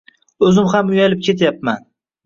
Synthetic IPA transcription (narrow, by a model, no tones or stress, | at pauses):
ɵzɪmhamʊjalɪp̚kʲʰe̞t̪ʰjap̚man